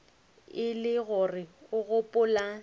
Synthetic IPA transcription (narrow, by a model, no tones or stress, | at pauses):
ɪlɪɣʊrɪʊɣʊpʼʊla